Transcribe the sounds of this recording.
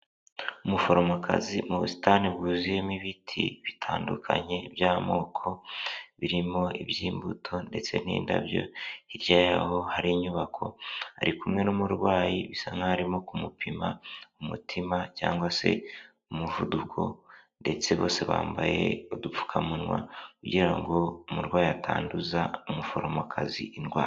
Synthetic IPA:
umufo̞ɾomoakʰa̰zimuβusi̥taniβuːzijemiβitʰḭβitʰaːndukʰaɲe̞ibjaːmo̞ːkʰo̞βiɾimo̞ibjiːmbutʰo̞nde̞t͡se̞nḭːnda̰bjo̞̰iɾɟaːjaho̞haɾiːɲuβakʰo̞̰aɾikumŋe̞numuɾɡwaːjiβisaŋɡahaɾimo̞kumupʰimaumutʰimacaːŋɡwase̞̰ | umuvudukʰo̞nde̞t͡se̞βo̞ːse̞βa̰ːmbaje̞odufu̥kʰamunŋwa̰kuɟiɾaŋɡo̞umuɾɡwaːjiatʰaːnduzaumufo̞ɾomokʰaziʔinɡwaː

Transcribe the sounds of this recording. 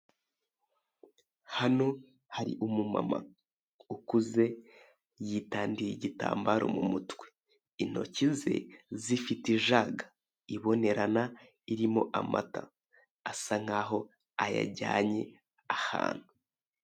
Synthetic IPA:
hano̞ | haɾḭʔumuma̰ma̰ | ukuze̞ | jitaːndiɾiɟita̰ːmbaːɾo̞̰mumutwe̥ | in̥o̞̰cize̞̰zifitiʒaɡḁ | iβo̞ne̞ɾana | iɾimo̞ʔama̰ta | asaŋ̥aːɦo̞ | aja̰ɟaːɲe̞ | aha̰ːn̥hu

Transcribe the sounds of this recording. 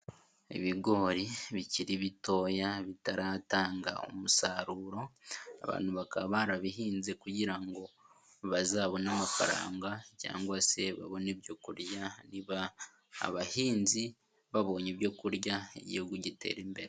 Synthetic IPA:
ḭβiɡo̞ɾiβiciɾiβito̞ːjaβitaɾataːŋɡa̰o̰musaɾuːɾo̞a̰βa̰ːn̥huβakaβaɾaβiɦiːnzekuɟiɾaŋɡo̞ | βazaːβo̞namafaɾa̰ːŋɡaca̰ːŋɡwase̞βa̰βo̞nebjo̞kuɾjaniβa̰ː | βahiːnzi | βaβo̞ːɲebjo̞kuɾjaḛɟḭhuɡuɟite̞̰ːɾimbe̞ɾe

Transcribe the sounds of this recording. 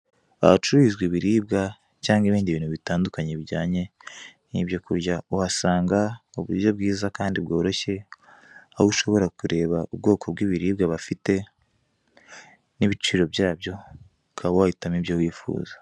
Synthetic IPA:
βa̰βt͡ʃuɾizɡwiβiɾiːbɡa | caːŋɡiβiːndiβiːnhuβitaːndukaɲeβiɟaːɲe̞ | nibjo̞kuɾɟauhasaːŋɡauβuɾjo̞b̚ɡiːzakaːndibɡo̞ːɾo̞çe̞ | ahuʃo̞βo̞ɾakuɾe̞ːβaubɡo̞ːkʰo̞bɡiːβiɾiːbɡaβafite̞ | niβit͡ʃiːɾo̞bjaːbjo̞ | kʰawowahitamibjowiːfṵːza

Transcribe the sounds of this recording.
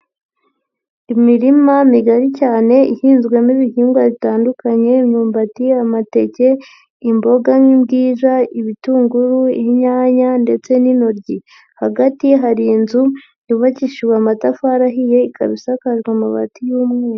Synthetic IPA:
imiɾimamiɡaɾicaːne̞ihiːnzɡwemiβihiːŋɡwaβitaːndukaɲe̞mɲuːmbatiamate̞ce̞ | imbo̞ɡaŋibɡiːzaiβituːŋɡuɾuiiɲaːɲande̞t͡se̞ninoɾɟi | haɡatiɦaɾinzu | juβaciʃiweamatafaɾaɦije̞ika̰βisakaʒɡwamuβa̰tijuːmŋeːɾ

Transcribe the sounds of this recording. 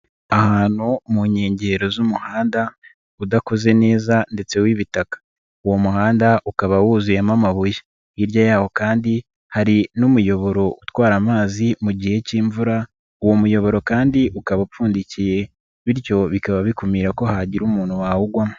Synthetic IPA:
ahaːnhumuɲe̞ːɲɟe̞ɾo̞zumuhaːnda | udako̞ze̞ne̞ːzande̞t͡se̞wiβitakḁ | uwo̞muhaːndaʔukaβawuzujemamaβuje̥ | iɾɟajaːho̞kaːndi | haɾinumujo̞βo̞ɾo̞ʔutwaːɾamaːzimuɟiːje̞ciːɱvuɾa | uwo̞mujo̞βo̞ɾo̞kaːndiʔukaβafuːndicije̞ | βiɾjo̞βikaβaβikumiːɾako̞haɟiɾumuːnhuwaːwuɡwamo

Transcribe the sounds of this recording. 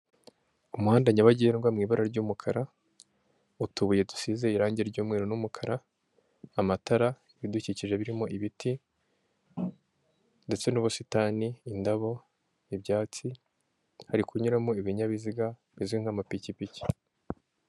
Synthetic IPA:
umuhaːndaɲaβaɟienɡwamŋiːβaɾaɾɟuːmukʰaɾa | utuβuje̞dusize̞iɾaːɲɟeɾɟuːmŋe̞ɾo̞numukʰaɾaː | mataɾa | iβiduciciʒe̞βiɾimo̞ʔiβiti | nde̞t͡se̞nuːβositaːniːndaβo̞ | ibɟaːt͡si | haɾikʰuɲuɾamoiβiɲaβiziɡa | βiziwiŋ̥hamapicipici̥

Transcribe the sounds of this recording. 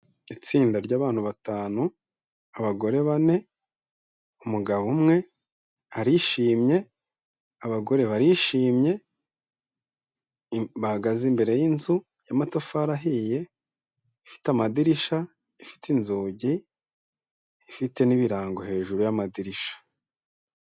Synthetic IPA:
it͡siːndaɾɟaːβaːn̥huβataːnu | aβaɡo̞ɾe̞βane̞ | umuɡaβumŋe̞ | aɾiʃiːmɲe̞ | aβaɡo̞ɾe̞βaɾiʃiːmɲe̞ | βahaɡazimbe̞ɾe̞jinzu | jamatofaɾaɦije̞ | ifi̥tamadiɾiʃa | ifi̥tinzoːɟi | fite̞niβiɾaːŋɡo̞he̞ːʒuɾujamadiɾiʃḁ

